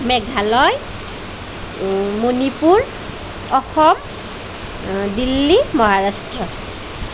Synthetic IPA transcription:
mɛɡʱalɔj | monipuɹ | ɔxɔm | dilːimɔɦaɹastɹɔ

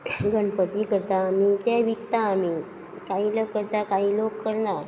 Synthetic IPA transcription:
ɡəɳpət̪iːkət̪ãːmit̪aʋikt̪ãːmi | kaɦiːləkːəɾt̪akaɦiːlokːəɾna

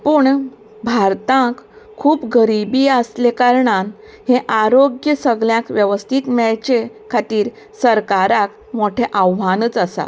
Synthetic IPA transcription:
pəːɳ | bʱaɾt̪ãk | kʰːuːpɡəɾibiːəslekaɾɳan | hẽʔaɾoɡjəsəɡɭjãkʋjəʋəst̪ʰiːt̪mɛɭt͡ɕe | kʰat̪iːɾ | səɾkaɾak | moʈʰeʔaʋʋanəːt͡səsa̰

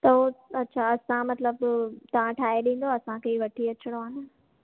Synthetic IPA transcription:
t̪ɐoɐtːɕʰaːɐsãmɐt̪ləbt̪ɐʋ̤ãʈʰaːeɗĩːn̆d̪oɐsãkeʋɐʈʰiɐt͡ɕɪɽ̃oaːnɪ

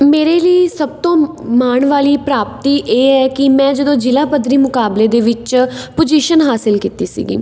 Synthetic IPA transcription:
meːɾeːləiːsəb̚t̪õːmaːɳʋaːliːpɾaːp̚t̪iːʔeːɛːkɪmɛ̃ːd͡ʒəd̪õːd͡ʒɪlaːpəd̪ɾiːmʊkaːbleːd̪eːʋɪt͡ʃpʊd͡ʒiʃənɦaːsɪlkiːt̪iːsḭːɡḭː

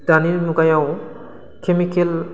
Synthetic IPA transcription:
d̥anilnuɡajaw | kʰemikel

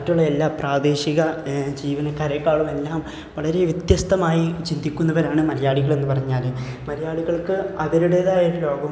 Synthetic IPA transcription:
mɐtːuɭːɐelːaːpraːd̪e̞ːɕiɣɐd͡ʑiːʋɐnɐkɐɾekːaːɭume̞lːaːm | ʋɐɭɐɾe̞ʋjɐt̪jɐst̪ʰɐmaːjit͡ɕind̪ikʲːunːɐʋoːlaːɳɨmɐɾɐjaːɭiɣɐɭe̞nːɨpɐrɐɲːaːlɨ | mɐɾɐjaːɭiɣɐɭkɨɐðɐɾuɽe̞ːðaːjɐɾulo̞ːɡɐm

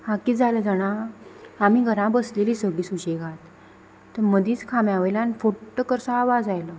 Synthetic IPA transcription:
hãkiːd͡zaləd͡zaɽ̃aamiɡʱəɾãbəsleliːsəɡɭiːsuɕeɡat̪ː | əɾməd̪iːt͡skʰamjaʋəjlanfoɾʈəkəɾsaaʋad͡zajlə

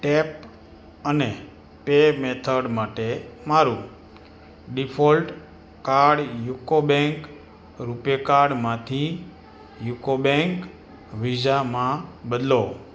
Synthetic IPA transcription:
ʈep | əne | pemet̪ʰəɽmaʈemaɾũ | ɖipʰolʈ | kaɾɽjukobɛ̃ŋk | ɾupjekaɾɖmãt̪ʰi | jukobɛ̃ŋk | ʋid͡ʒamãbəd̪lo

